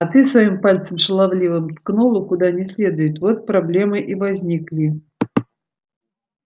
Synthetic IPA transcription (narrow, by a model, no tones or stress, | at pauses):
ɐt̪ɨsvɐjimpalʲt̪səmʂɨlˠavlʲivɨmt̪knulˠʊkʊd̪anʲɪsʲlʲe̞d̪ʊjɪt̪vot̪̚pɾablʲe̞mɨʔivɐzʲnʲiklʲi